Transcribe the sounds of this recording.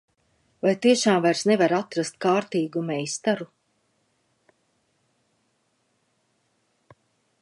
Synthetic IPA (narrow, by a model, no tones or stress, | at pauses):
vajt̪iɛʃaːmvajɾsnevaɾat̪ɾast̪̚kaːɾt̪iːɡumɛjst̪aɾu